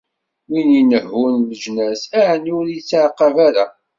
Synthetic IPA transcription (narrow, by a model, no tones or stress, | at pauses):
winjinəhːunləʒnæsæʕənʊɾit͡sːaʕqːɑvaɾa